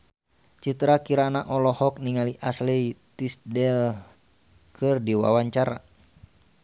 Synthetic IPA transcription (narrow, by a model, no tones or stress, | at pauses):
t͡ʃit̪ɾakiɾanaʔɔlɔhɔk̚niŋaliʔaslit̪isdɛl | kʰɨrdiwa̰waɲt͡ʃaɾa̰